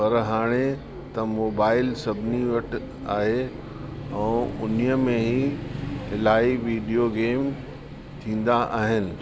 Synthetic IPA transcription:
pɐɾɦaːɽ̃e | t̪ɐmoːbaːɪlsɐbʱɪniʋɐʈ̆ | aːɦe | ɛ̃ːʊnijəmẽɦihɪlaːiʋiːɖijoɡeːm | t̪ʰĩːn̆d̪aʔaːɦɪnɪ̆

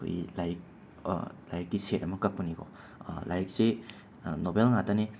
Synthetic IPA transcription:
kʰo̰jlaɾik̚ | la̰jɾik̚tiseɾɐmɐkak̚pɐniɡɔ̰ | lajɾik̚se | nobelŋatane

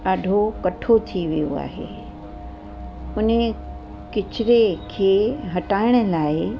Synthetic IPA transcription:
ɐɖʱokɐʈʰot̪ʰiʋijo̰a̰ːɦḛː | ʊne | kɪt͡ɕɪɾekʰeːɦɐʈaːɪɽ̃ə̆laːɪ

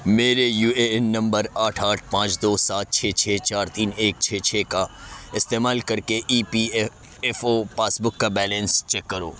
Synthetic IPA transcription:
meːɾejuːeɛnːɐ̃mbəɾaːʈʰaːʈʰpãːt͡ʃd̪oːsaːt̪̚t͡ʃʰeːt͡ʃʰeːt͡ʃaːɾt̪iːneːk̚t͡ʃʰeːt͡ʃʰeːkaɪst̪eːmaːlkɐɾkeʔiːpi | ɛfoːpaːsbʊkːabɛːlɛ̃nst͡ʃɛkːɐɾo̰ː

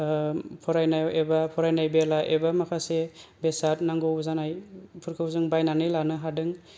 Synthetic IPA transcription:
pʰɔɾajnawebapʰɔɾajnajbelaʔebamakʰasebesat̚naŋɡɯwzanajpʰɯɾkʰɯwzɯŋbajnanɯjlanɯɦadɯŋ

